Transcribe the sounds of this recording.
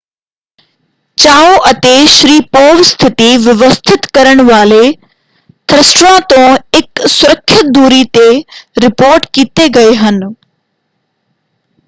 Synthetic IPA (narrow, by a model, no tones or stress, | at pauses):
t͡ɕaːoʔɐt̪eʃɾiːpoːʋst̪ʰɪt̪iʋɪʋəst̪ʰɪt̪kɐɾəɽ̃ʋaːle | t̪ʰɾɪsʈɾãt̪õɪksʊɾəkʰːɪt̪̚d̪uːɾit̪eɾɪpoːɾʈkiːt̪eɡɐeɦən